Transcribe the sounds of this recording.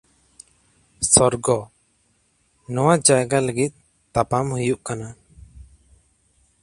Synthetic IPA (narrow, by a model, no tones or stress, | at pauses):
sɔɾɡɔ | nɔwad͡ʒajɡaləɡit̪̚ | t̪apamhujuʔkana